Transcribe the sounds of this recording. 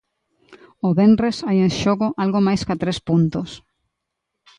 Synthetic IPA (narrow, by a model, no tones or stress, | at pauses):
oβenresajẽnʃoɣoʔalɣomajskat̪ɾespunt̪os